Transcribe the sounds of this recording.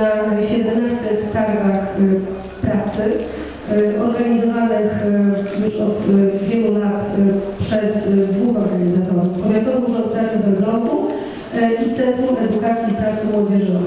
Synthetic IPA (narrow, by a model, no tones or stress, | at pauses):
aɕɛd̪ɛmnastɛfk̪aɡ̪ax | pɾat̪sɘ | ɔɾɡaɲizɔvanɘxjuʂɔt̪vʲjɛlulat̪pʂɛzd̪vuxɔɾɡaɲizat̪ɔɾufɔbʲjɛɡ̪ɔwd̪uʐɔ̃nt̪pɾat̪sɛvɛɡlɔnd̪u | ʔit̪sɛnt̪ɾumʔɛd̪ukat̪sʲjipɾat̪sɘmwɔd͡ʑɛʐɔ